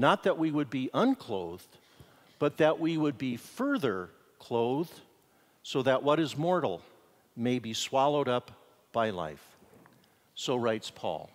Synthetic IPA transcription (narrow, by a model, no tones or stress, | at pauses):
nət̪̚ðəʔwiwəd̚biʔʌ̃nkʰl̥oʊðd | b̥ʌt̪̚ðɨʔwiwəd̚bifɜ˞ðə˞ | kʰl̥oʊðd̥ | soʊðɨʔwʌɾɨzmɔɹɾl̩ˠ | meɪbiswɑlˠoʊɾʌp | b̥aɪla̰ɪf | soʊɹaɪtspʰɔ̰lˠ